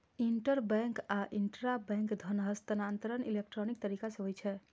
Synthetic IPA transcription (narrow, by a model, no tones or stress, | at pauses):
iɳʈəɾbɛ̃ŋkaʔinʈɾabɛ̃ŋkd̪ʱənɦəst̪ənant̪əɾənilek̚ʈɾɔnik̚t̪əɾikasəɦojt͡ʃʰɛ